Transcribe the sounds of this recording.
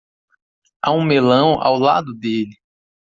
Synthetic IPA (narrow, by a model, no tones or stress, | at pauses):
aũmelɐ̃w̃a̰wla̰d̪ʊd̪elɪ